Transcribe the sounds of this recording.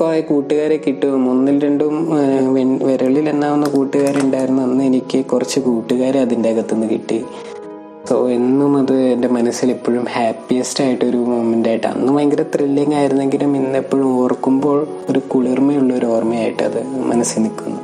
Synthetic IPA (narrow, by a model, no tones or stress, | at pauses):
kːoekuːʈːuɣaːɾekiʈːumunːilɾeɳɖumʋeʋeɾɐɭile̞nːaːʋonːɐkuːʈːuɣaːɾeuɳɖaːjiɾunːuɐnːɨe̞nikʲːɨkurɐt͡ɕːɨkuːʈːuɣaːɾeɐðindekɐt̪ːenːɨkḭʈːi | so̞e̞nːumɐðɨende̞mɐnɐsilepːo̞ːɻumhaːpːijɐstaːjiʈːɨo̞ɾumomendaːjiʈːɨɐ̰nːumɐjŋɡilɐt̪rilːɐŋːaːjiɾunːe̞ŋɡiluminːepːoːɻuo̞ːrkːumbo̞ːɭ | o̞ɾukuɭirmɐjuɭːɐoɾuoːrmɐjaːjiʈːɨɐ̰ðɨmɐ̰nɐsːilnikːunːu